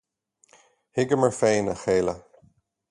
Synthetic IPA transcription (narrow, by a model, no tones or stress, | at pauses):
hɪɡəməɹfeːnəxeːlə